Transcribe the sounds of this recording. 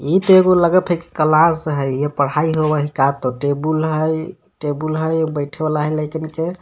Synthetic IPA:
it̪ɔeɡoləɡəpʰeke̥kəlãsɦəjepəɽ̤aiɦobəɦikat̪oʈebulɦəj | ʈebulɦəjbəjʈʰebalaɦəjləjkənke

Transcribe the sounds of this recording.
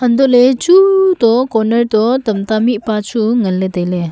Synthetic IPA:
ɐnd̪ɔʔlet͡ʃutɔkɔnəɾt̪ɔt̪ɐmtamiʔpat͡ʃuŋɐlːet̪əjle

